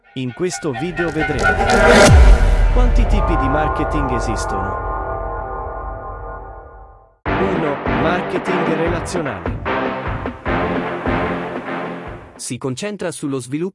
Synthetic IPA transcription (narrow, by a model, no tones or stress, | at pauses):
iŋkwest̪oviːd̪eoved̪ɾemo | kwant̪it̪iːpid̪imarket̪iŋɡezist̪o̰no̰ | iːnomarket̪iŋɡrelat̪sːjona̰ːlḛ | sikont͡ʃɛnt̪ɾasulːozvilu